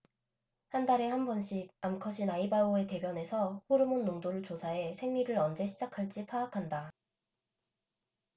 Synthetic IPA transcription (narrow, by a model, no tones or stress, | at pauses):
handaɾe̞hambʌnɕʰik̚amkʰʌɕʰinaibaoe̞te̞bjʌne̞sʰʌɸuɾɯmunːoŋdoɾɯɭt͡ɕosʰae̞sʰe̞ŋɲiɾɯɾʌnd͡ʑe̞ɕʰid͡ʑakʰaɭt͡ɕ͈ipʰaːkʰanda